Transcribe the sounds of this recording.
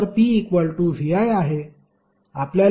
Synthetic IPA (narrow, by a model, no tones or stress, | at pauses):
ɾpiːekʋəɭʈuʋiajaɦe | aplja